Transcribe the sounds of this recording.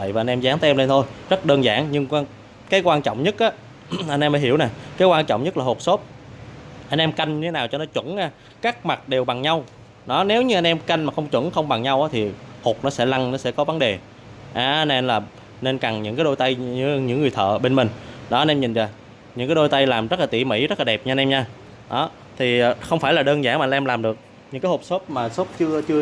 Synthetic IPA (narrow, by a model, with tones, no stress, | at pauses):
və̰˧˨jvaː˨˩ʔa˧nʔɛ˧mzaː˨˦ŋt̪ʰːʔɛ˧mle˧nt̪ʰo˧jzə˦˥t̚ɗəː˧nza̰ː˧˩ŋɲɨ˧ŋ˧ | kaː˨˦jkwaː˧nt͡ɕɔ̰˧˨ŋ͡mɲə˦˥t̚ʔaː˨˦ | ʔa˧nʔɛ˧maː˨˦ɦi˧˩əwna˨˩jkaː˨˦jkwaː˧nt͡ɕɔ̰˧˨wŋ͡mɲə˦˥laː˨˩ho˨˩t̚so˦˥t̚ | ʔa˧nʔɛ˧mka˧jŋ̟ɲɨ˧t̪ʰe˨˦naː˨˩wt͡ɕɔ˧nɔ˨˦t͡ɕwə̰˧˥ŋʔaː˧˩ | kaː˦˥k̚ma˨˩t̚ɗe˨˩wɓa˨˩ŋɲa˧w | nɔ˨˦ne˨˦wɲɨ˧ʔa˧nʔɛ˧mka˧jŋ̟maː˨˩xə˧wŋ͡mt͡ɕwə̰˧˥ŋxə˧wŋ͡mɓa˨˩ŋɲa˧wʔaː˨˦t̪ʰi˨˩ho˨˩k͡p̚nɔ˨˦sɛ̰˧˥la˧ŋnɔ˨˦sɛ̰˧˥kɔ˨˦və˨˦nɗe˨˩ | ʔaː˨˩˧nʔe˧nlaː˨˩ | ne˧nka˨˩ŋɲɨ̰˧˥ŋkaː˨˦ɗo˧jt̪a˧jɲ˧˥ɲɨ̰˧˥ŋːɨ˨˩əjt̪ʰə̰ː˧˨ɓe˧nmï˨˩ŋ̟ɗɔ˨˦ʔa˧nʔɛ˧mɲi˨˩ŋ̟va˨˩ | ɲɨ̰˧˥ŋkaː˨˦jɗo˧jt̪a˧jlaː˨˩mzə˦˥t̚laː˨˩t̪ḭ˧˨mḭ˧˥zə˦˥laː˨˩ɛ˨˩p̚ɲa˧nʔɛ˧mɲaː˧ | ɗɔ˨˦ | t̪ʰi˨˩˨xə˧wŋ͡mfaː˧˩jlaː˨˩ɗəː˧nzaː˧˩ŋmaː˨˧˩ʔɛ˧mlaː˨˩mɗɨ˨˩ək̚ | ɲɨ̰˧˥ŋkaː˨˦jho˨˩p̚so˦˥p̚maː˨˩so˦˥p̚t͡ɕɨ˧ət͡ɕɨ˧